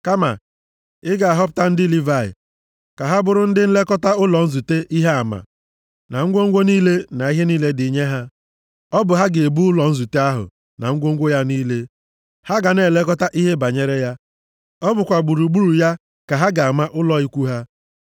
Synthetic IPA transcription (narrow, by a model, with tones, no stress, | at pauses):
ka˦ma̰˨ | ɪ˦ɡa˨a˨ɦɔ˦p̬ʊ̥˦ta˦n̩˦dɪ˦li˦va˨ɪ̰˨ | ka˨ɦa˦bʊ˦ɾʊ˦n̩˦dɪ˦n̩˦le˦kɔ˦ta˦ʊ˦lɔ˨n̩˦zu˨te˦ʔi˦ɦe˦a˨ma̰˨ | na˨ŋ̩˦ɡʷo˦ŋ̩˦ɡʷo˦niː˦le˦na˨i˦ɦe˦niː˦le˦dɪ˨i˨˦ɲe˦ɦa˦ | ɔ˦bʊ˨ɦa˦ɡe˨e˨bu˦ʊ˦lɔ˨n̩˦zu˨te˦a˦ɦʊ̰˨ | na̰˨ŋ̩˦ɡʷo˦ŋ̩˦ɡʷo˦ja˦niː˦le˦ | ha˦ɡa˨ne˨le˦kɔ˦ta˦ʔi˦ɦe˦ba˨ɲe˦ɾe˦ja˦ | ɔ˦bʊ˨kʷa˨ɡ͡bu˨ɾu˨ɡ͡bu˦ɾu˨ja˦ | ka˨ɦa˦ɡa˨a˨ma˦ʔʊ˦lɔ˨i˦kʷu˦ɦa˦